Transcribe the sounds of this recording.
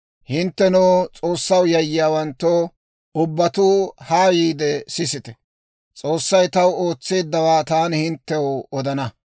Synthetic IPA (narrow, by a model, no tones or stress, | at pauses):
hɪnt̪ːɛnuːt͡sʼo̞ːsːɐwjɐjːɪjaːwɐnt̪ːoː | ʊbːɐt̪uːhaːjiːd̪ɛsɪsɪt̪ɛ̥ | t͡sʼo̞ːsːɐjt̪ɐwoːt͡sːe̞ːd̪ːɐwaːt̪aːnhɪnt̪ːɛwʊɔd̪ɐnɐ